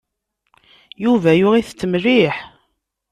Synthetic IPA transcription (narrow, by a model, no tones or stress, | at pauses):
juvæjʊʁiθt͡sːəmriħ